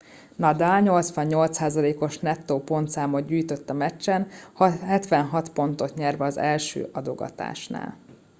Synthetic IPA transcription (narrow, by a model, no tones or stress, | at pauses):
nɒd̪aːlɲo̞lt̪sʋɒɲːo̞lt̪saːzɒleːko̞ʃnɛt̪ːoːpo̞nt̪saːmod̪ɟyːjt̪ø̞t̪ːɒmɛt͡ʃːɛnhɦɛt̪ʋɛnɦɒt̪po̞nt̪o̞t̪ɲɛrvɛɒzɛlʃø̰ːʔɒd̪o̞ɡɒ̰t̪a̰ːʃna̰ːl